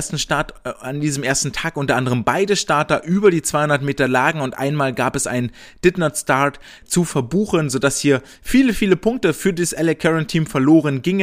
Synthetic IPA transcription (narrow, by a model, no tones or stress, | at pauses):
ɐstn̩ʃtaɐtandiːzəmʔeːɐstn̩tʰaːkʔʊntɐʔandəʁ̞əmbaɪdəʃtaɐtɐʔyːbɐdiːt͡sv̥aɪhʊndɐtmeːtɐlaːɡŋ̩ʊntʔa̰ɪnmaːlɡaːpɛsʔa̰ɪnən | d̥ɪtnɐstaɐt | t͡sufɛɐbuːxənzodashiːɐ | fiːləfiːləpʰʊŋk̚təfyːɐdiːsʔɛlɛkʰɛʁəntʰiːmfɛɐloːʁ̞ənɡɪŋə